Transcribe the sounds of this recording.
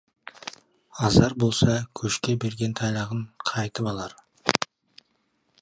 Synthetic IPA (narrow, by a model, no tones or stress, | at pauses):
ɑzɑɾbo̞lˠsɑkʲʰɵʃkʲe̞be̞ɾɡʲe̞nt̪ʰɑjlˠɑʁəɴqʰɑjt̪əpɑlˠɑɾ